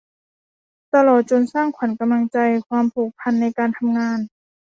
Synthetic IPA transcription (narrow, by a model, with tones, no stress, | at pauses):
t̪a˧lɔː˨˩t̪̚t͡ɕo˧˨nsaː˥˩ŋkʰwa˨˦nka˧mla˧ŋt͡ɕa˧jkʰwaː˧mpʰuː˨˩k̚pʰa˧˨nːa˧jkaː˧nt̪ʰa˧mŋaː˧n